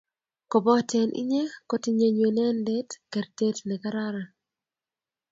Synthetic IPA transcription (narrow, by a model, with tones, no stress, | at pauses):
ko˨bɔ˦tɛ˨nʔḭ˦ɲe˦ko˦ti˦ɲe˨ɲwe˨nɛ˦ndɛ˦tkɛ˨rte˦tnɛ˨ka˦ɾa˦ɾa˨